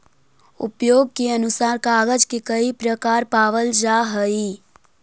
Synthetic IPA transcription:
ʊ̰pjoːɡ̚keɐnʊsaːɾkaːɡəd͡ʒkekəipɾəkaːɾpaːʋəld͡ʒaːɦəi

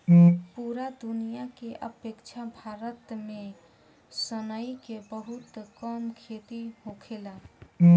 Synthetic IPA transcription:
puɾad̪unijakeʔəpekt͡ʃʰabʱaɾət̪me | sənəjkebəɦut̪kəmkʰet̪iɦõkʰela

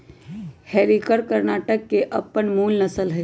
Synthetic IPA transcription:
hɛːɾikəɾkəɾnaːʈəkːeʔɐpəɳmuːlnɐsəlɦɛ

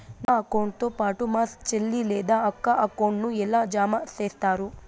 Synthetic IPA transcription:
naɐkɐwɳɖ̚t̪opaːʈumaːst͡ʃelːilɛːd̪aɐkːɐʔɐkɐwɳɖnuɛlːaːd͡ʒaːmaseːst̪aːɾu

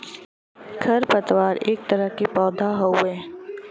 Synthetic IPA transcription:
ɡʰɐɾpət̪waːɾeːk̚t̪əɾəɦkipɔːd̪ʱaɦowɛ̃ː

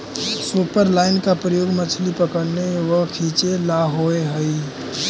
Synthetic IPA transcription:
supəɾlaɪnkapɾəjoːɡmət͡ʃʰlipəkəɾneʋəkʰit͡ʃelaɦoeɦəi

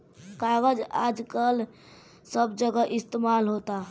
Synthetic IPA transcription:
kaɡəd͡ʒad͡ʒkəl | səbd͡ʒəɡəʔist̪emalɦot̪aɦ

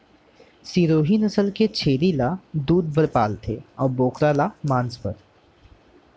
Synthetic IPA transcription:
siːɾoːɦiːnɐsəlket͡ʃʰeːɾilad̪uːd̪̚bəɾpaːlt̪ʰeɔːɾboːkɾalamãːnspəɾ

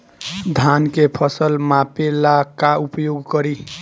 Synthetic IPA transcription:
d̪ʱankepʰʌsəlmapelakaupjoɡkʌɾi

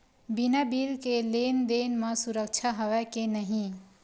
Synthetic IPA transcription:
binabilkelend̪enmʌsuɾək̚t͡ʃʰaɦəwɛkenəɦĩ

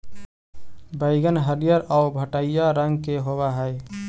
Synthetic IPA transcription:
bəɪɡənɦəɾijəɾaʊbʱəʈəijaɾəŋɡkeɦoβaɦəj

